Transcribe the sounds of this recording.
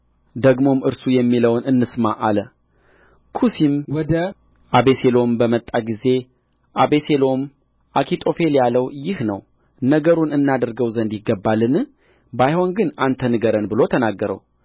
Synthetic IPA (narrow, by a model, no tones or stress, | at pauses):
d̪əɡmo̞mɨɾsujɛmːiləwnɨnːɨsmaʔalə | kʰusimwɔd̪ə | ʔaβe̞selo̞mbəmət̪ʼːaɡize̞ | ʔaβe̞selo̞m | ʔakʰit̪ʼo̞fe̞ljaləwjɪhnəw | nəɡəɾunɨnːad̪əɾɡəwzənd̪jɪɡːəbːalːɨn | bajho̞nɡɨnant̪ʰənɨɡəɾənbɨlo̞t̪ʰənaɡːəɾə̰w